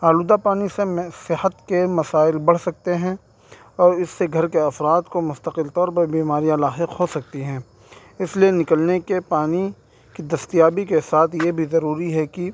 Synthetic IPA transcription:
aːluːd̪apaːnisemsɪɦət̪kemɐsaːɪlbɐɽ̤sɐk̚t̪eɦɛ̃ | ɔːɾɪsːeɡʱɐɾkeɐfɾaːd̪komʊst̪əqɪlt̪ɔːɾpɐɾbiːmaːɾijãlaːɦɪqɦosɐk̚t̪iɦɛ̃ː | ɪslijenɪkəlnekepaːni | kid̪ɐst̪ijaːbikesaːt̪ʰjebʱizɐɾuːɾiɦɛki

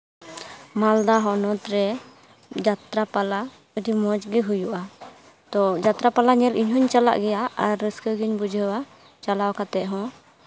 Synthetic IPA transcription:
mald̪aɦɔnɔt̪ɾɛ | d͡ʒat̪ɾapala | ud̪imɔd͡ʒɡiɦujuʔa | t̪ɔd͡ʒat̪ɾapalaɲɛlʔiɲɦɔɲt͡ʃala̰ʔɡɛjaaɾːəskəɡiɲbud͡ʒʱəwa | t͡ʃalawkat̪ɛʔ̚ɦɔ̃

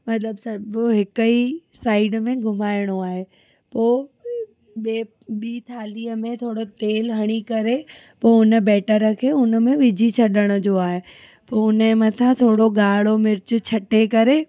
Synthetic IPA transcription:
mɐt̪ləbsɐbɦɪkəisaːɪɖmẽɡʱʊmaːɪɽ̃oaːɦe | poː | ɓeː | ɓiːt̪ʰaːliːəmẽt̪ʰoːɽot̪eːlɦɐɽ̃ikɐɾe | poːʊnə̆bɛːʈəɾəkʰeʊnə̆mẽʋɪd͡ʑʱit͡ɕʰɐɗəɽ̃ʊd͡ʑoːaːɦe | poːʊnəmɐt̪ʰãt̪ʰoːɽoɡaːɭomɪɾɪt͡ɕʊ̆t͡ɕʰɐʈekɐɾe

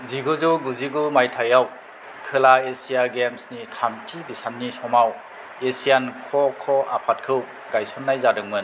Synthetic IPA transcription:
ziɡuzuɡuziɡumajtʰajaw | kʰɯlaesijaɡemsnitʰamtʰibisanːisɔmaw | esijankʰɔkʰɔa̰pʰat̚kʰɯw | ɡ̥ajsɔnːajzadɯŋmɯn

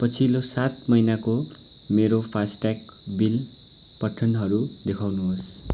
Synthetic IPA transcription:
pʌt͡sʰilosat̪mʌjnako | meɾopʰasʈak | bil | pʌʈʰːʌnɦʌɾud̪ekʰawnuɦos

